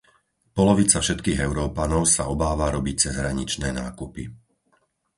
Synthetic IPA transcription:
pɔlɔʋit͡safʃɛt̪kiːɣɛʊɾɔːpanɔʊsaɔbaːʋaɾɔbic̚t͡sɛzɦɾaɲit͡ʃnɛːnaːkupi

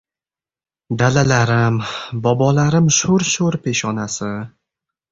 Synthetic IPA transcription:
d̪alalaɾɪmbɒbɒlaɾɪmʃoɾʃoɾpʰeʃɒnasɪ

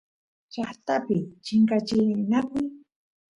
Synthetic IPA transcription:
t͡ʃaχt̪apɪt͡ʃɪŋkat͡ʃɪnakʊj

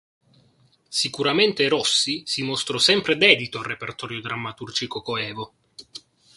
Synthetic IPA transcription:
sikuɾament̪eɾɔsːisimost̪ɾɔsɛmpɾed̪ɛːd̪it̪oarːepert̪ɔːɾjod̪ɾamːat̪urd͡ʒikokoɛːvo

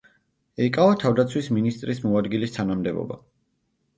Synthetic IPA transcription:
ɛikʼavat̪ʰavd̪at̪sʰwisminist̪ʼɾismɔad̪ɡilist̪ʰanamd̪ɛbɔ̰ba̰

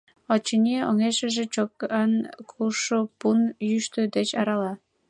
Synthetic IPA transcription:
ot͡ɕinʲeo̰ŋeʃə̆ʒĕt͡ɕokənkʰuʃopunjyʃt̪ød̪et͡ɕɑɾɑlɑ

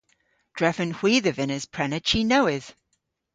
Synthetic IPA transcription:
d̥ɹɛfə̃nhw̥iːðəvɪ̃nəz̥pʰɹ̥ɛnətʃinoʊɪð̥

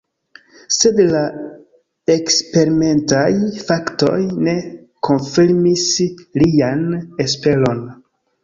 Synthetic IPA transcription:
se̞dla | e̞kspe̞ɾime̞ntajfakto̞̰jne̞ | kʰo̞nfiɾmislianes̬pe̞lon

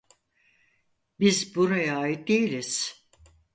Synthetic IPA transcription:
bizbuɾajaaːjit̪̚d̪e̞jilʲiz̥

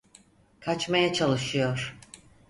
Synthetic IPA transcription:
kʰat͡ʃmajat͡ʃʰalˠɯʃɯjo̞ɾ̥

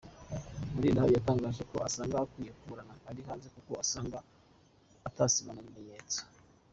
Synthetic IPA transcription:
muɾiːndahaβijataːŋɡaːʒeko̞asaːŋɡakwijekuɾanaːɾihaːnze̞kuko̞asaːŋɡaː | tasimanamumeɲeːt͡si̥

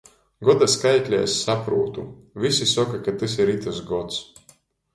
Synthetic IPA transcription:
ɡɔd̪askajkʲlʲɛ̰sʲːapɾuːt̪uvʲisisɔkakat̪ɨs̬iɾit̪ɨsɡɔt̪s

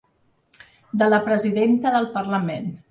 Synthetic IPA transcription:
d̪ələpɾəziðent̪əðəlˠpərləmen

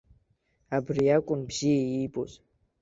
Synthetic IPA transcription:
abɨrjakʷʼʊmbz̥ijejibʼoz

